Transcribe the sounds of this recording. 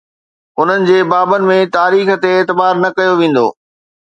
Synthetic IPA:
ʊn̤ənɪ̆d͡ʑeːbaːbənɪ̆mẽt̪aːɾiːxə̆t̪eːt̪ɪbaːɾnɐkɐjoʋẽːn̆d̪o̰ː

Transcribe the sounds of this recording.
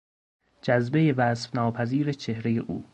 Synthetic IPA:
d͡ʒæzbejevæːsfnɒːpʰæziːɾet͡ʃʰehɾejeʔṵː

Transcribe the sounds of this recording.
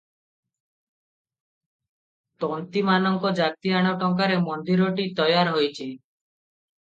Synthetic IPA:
t̪ɔnt̪imanɔŋkɔd͡ʒak̚t̪iaɽ̃ɔʈɔŋkaɾemɔnd̪iɾɔʈit̪ɔjaɾɦojt͡ʃʰi

